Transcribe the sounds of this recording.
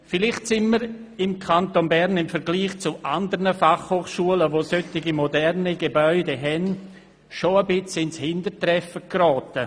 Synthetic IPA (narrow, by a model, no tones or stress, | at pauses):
fɪlɪχtsɪnməɾɪmkʰantonbɛɾnɪmfɛɾɡliːχt͡suʔandəɾnəfaχhoːχʃuələvosøtɪɡimodɛrniɡebœʏdeɦɛn | ʃoəbɪt͡sɪnshɪndətrɛfəkrɔːtə